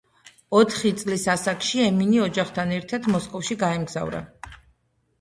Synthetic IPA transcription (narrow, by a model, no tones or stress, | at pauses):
ɔt̪ʰχit̪sʼlisasakʃiɛminiɔd͡ʒaχt̪ʰanɛɾt̪ʰad̪mɔskʼɔfʃiɡaɛmɡza̰vɾa̰